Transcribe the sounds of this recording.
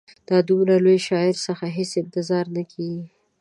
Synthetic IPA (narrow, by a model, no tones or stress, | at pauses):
d̪̥ɑd̪umɾalojʃɑɪɾsəxaɦesɪnt̪ɪzɑɾnakʰeɡi